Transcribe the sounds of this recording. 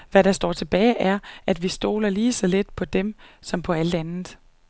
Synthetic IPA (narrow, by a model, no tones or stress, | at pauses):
ʋæɾɑ̈sd̥ɒ̰ːt͡sʰe̝b̥ɛ̰ːɪʔæɐʔæd̥ʋisd̥o̝̰ːlɐliːsɒ̽le̝d̥̚pʰɒ̽d̥emsɒ̽mpʰɒ̽æld̥ænð̩ˠ